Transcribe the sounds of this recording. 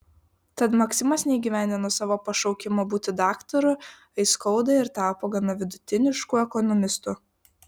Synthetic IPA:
t̪ɐt̪mɐksʲɪmɐsnʲɛiɡʲiːʋʲæˑnʲd̪ʲɪnoːsɑːʋoːpɐʃɒʊkʲɪmoːbuːt̪ʲɪd̪ɑːkt̪ɔɾʊ | ɐɪskɔʊd̪ɐɪɾt̪ɑːpoːɡɐnɐʋʲɪd̪ʊt̪ʲɪnʲɪʃkuɛkɔnɔmʲɪst̪ʊ

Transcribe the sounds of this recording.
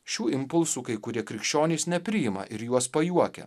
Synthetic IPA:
ʃʲuːɪmpʊlˠsuːkɐɪkʊɾʲiɛkʲɾʲɪkʃʲt͡ʃʲoːnʲeːsnʲɛpʲɾʲɪjɪmɐ̰ʔɪɾjuɔspɐjuɔkʲɛ̰

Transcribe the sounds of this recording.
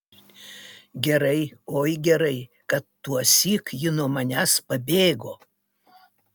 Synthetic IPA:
ɡʲɛɾɐɪoːjɡʲɛɾɐɪ | kɐt̪ːuɔsʲiːkjɪnuɔmɐnʲæspɐbʲeːɡoː

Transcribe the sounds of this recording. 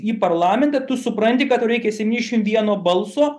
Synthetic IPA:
iːpɐrlˠɑːmʲɛnt̪ɐt̪ʊsʊpɾɐnʲt̪ʲɪkɐt̪ɾɛɪkʲɛsʲɛtʲinʲɛʃʲɪmʋʲiɛnoːbɐlˠsoː

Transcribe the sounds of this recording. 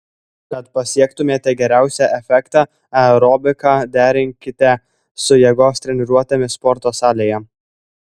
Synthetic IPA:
kɐt̪pɐsʲiɛkt̪ʊmʲeːt̪ʲɛɡʲɛɾʲæˑʊsʲɛʔɛfʲɛkt̪ɑ | ɛɾɔbʲɪkɑːd̪ʲæːɾʲɪŋʲkʲɪt̪ʲɛ | sʊjɛɡoːst̪ʲɾʲɛnʲɪɾuɔt̪ʲemʲɪspɔɾt̪oːsɑːlʲeːjɛ

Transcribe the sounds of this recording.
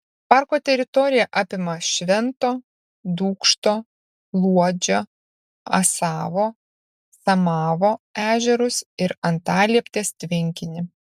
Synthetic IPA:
pɑːˑɾkoːt̪ʲɛɾʲɪt̪ɔɾʲɪjɛʔaːpʲɪmɐʃʲʋʲɛnt̪oː | d̪uːkʃt̪oː | lˠuɔd͡ʒʲo | ɐ̰sɑːʋoː | sɐmɑːʋoːæːʒʲɛɾʊsɪɾɐnt̪ɑːlʲiɛpʲt̪ʲeːst̪ʲʋʲɪŋʲkʲɪnʲɪ

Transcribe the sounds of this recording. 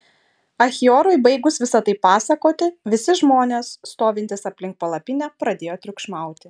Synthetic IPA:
ɐxʲɪoːɾoɪbɐɪɡʊsʋʲɪsɐt̪ɐɪpɑːsɐkoːt̪ʲɪʋʲɪsʲɪʒmoːnʲeːsːt̪oːʋʲɪnʲt̪ʲɪsɐpʲlʲɪŋk̚pɐlˠɐpʲɪnʲɛpɾɐd̪ʲeːjoːt̪ʲɾʲʊkʃmɑˑʊt̪ʲɪ

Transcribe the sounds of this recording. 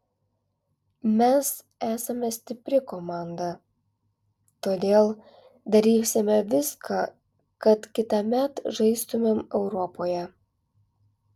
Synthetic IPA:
mʲɛs | æːsɐmʲɛsʲt̪ʲɪpʲɾʲɪkomɑˑnd̪ɐ | t̪oːd̪ʲeːlˠ | d̪ɐɾʲiːsʲɪmʲɛʋʲɪskʰɑ | kɐt̪kʲɪt̪ɐmʲɛt̪ʒɐɪst̪ʊmʲemɛʊɾɔpoːjɛ

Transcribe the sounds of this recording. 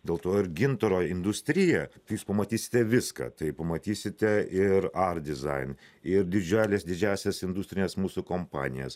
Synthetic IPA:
d̪ʲeːlˠt̪oːɪɾɡʲɪnt̪oɾoːɪnd̪ʊsʲt̪ʲɾʲɪjɛt̪ɪjuːspɐmɐt̪ʲiːsʲɪ̥t̪ʲɛʋʲɪskɑ̰ːt̪ɐɪpɐmɐt̪ʲiːsʲɪt̪ʲɛʔɪɾɐrd̪ʲɪzɐ̰ɪnɪɾd̪ʲɪd͡ʒʲæːlʲeːsd̪ʲɪd͡ʒʲæːsʲɛsɪnd̪ʊsʲt̪ɾʲɪnʲeːsmuːsʊkompɑ̰ːnʲɪ̰jɛ̰s

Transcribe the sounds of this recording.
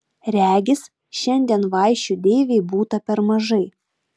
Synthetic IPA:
ɾʲæːɡʲɪs | ʃʲɛnʲd̪ʲiɛnʋɑˑɪʃʲt͡ʃʲʊd̪ʲeːʋʲeɪbuːt̪ɐpʲɛɾmɐʒɐɪ

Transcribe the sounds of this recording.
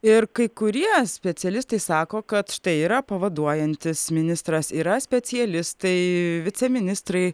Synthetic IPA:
ɪɾkɐɪkʊɾʲiɛsʲpʲɛsʲɪɛlʲɪst̪ɐɪsɑːkoːkɐt̪ʃt̪ɐɪiːɾɐpɐʋɐd̪uɔjɛnʲt̪ʲɪsmʲɪnʲɪst̪ɾɐsiːɾɐsʲpʲɛsʲɪjɛlʲɪst̪ɐɪʋʲɪt͡s̪ʲɛmʲɪnʲɪst̪ɾɐɪ

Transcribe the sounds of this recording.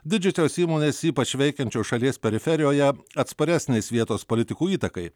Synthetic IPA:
d̪ʲɪd͡ʒʲʊsʲoːsiːmoːnʲeːsiːpɐt͡ʃʲʋʲɛɪkʲɛnʲt͡ʃʲoːʃɐlʲiɛspʲɛɾʲɪfʲɛɾʲɪjoːjɛɐt̪spɐɾʲæsʲnʲɛɪsʋʲiɛt̪oːspolʲɪt̪ʲɪkuːiːt̪ɐkɐɪ

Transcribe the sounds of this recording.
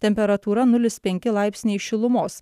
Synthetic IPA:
t̪ʲɛmʲpʲɛɾɐt̪uːɾɐnʊlʲɪspʲɛŋʲkʲɪlˠɑɪpʲsʲnʲɛɪʃʲɪlˠʊmoːs

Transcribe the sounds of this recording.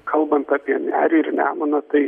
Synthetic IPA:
kʰɐlˠbɐnt̪ɑːpʲiɛmʲæːɾʲɪɪɾnʲæ̰ːmɐnɐt̪ɐɪ

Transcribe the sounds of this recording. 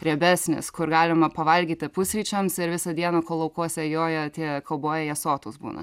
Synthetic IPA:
ɾʲɛbʲæsʲnʲɪ̰skʊɾɡɑːlʲɪmɐpɐʋɐlʲɡʲiːt̪ʲɪpʊsʲɾʲiːt͡ʃʲɛmsɪɾʋʲɪsɐd̪ʲiɛnɐkoːlˠɐʊkuɔsʲɛjoːjɛt̪ʲiɛkɐlˠboːjɛjɛsoːt̪oːsbuːnɐ̰

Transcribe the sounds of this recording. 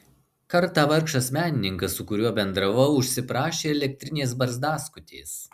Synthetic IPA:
kɐɾt̪ɑːʋɐɾˑkʃɐsmʲæːnʲɪnʲɪŋkɐssʊkʊɾʲuɔbʲɛnd̪ɾɐʋɐʊʊʃʲsʲɪpɾɑːʃʲeːɛlʲɛk̚ʲt̪ʲɾʲɪnʲeːs̬bɐɾzd̪ɑːskʊt̪ʲeːs

